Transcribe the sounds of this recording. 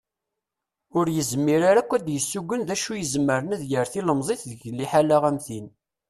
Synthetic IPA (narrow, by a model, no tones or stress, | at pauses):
ʊɾjəzmːiɾaɾækʷːæd̪jəsːuɡʷːənðæʃujəzmːəɾənæðjəɾθiləmzˤeθðəʝlːiħalaʁæmθin